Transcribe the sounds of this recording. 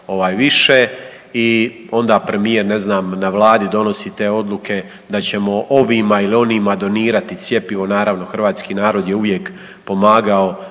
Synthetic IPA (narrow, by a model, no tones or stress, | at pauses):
o̞ʋaːjʋiʃe | i | o̞nd̪apɾe̞mijeɾne̞znaːmnaʋlˠaːd̪id̪o̞no̞sit̪e̞ːo̞d̪luke̞ | d̪at͡ɕe̞mo̞ʔo̞ʋimailio̞nimad̪o̞niːɾat̪it̪sje̞piʋo̞naːɾaʋno̞xr̩ʋaːt̪skiːnaːɾo̞d̪je̞uʋje̞k | po̞maːɡao̞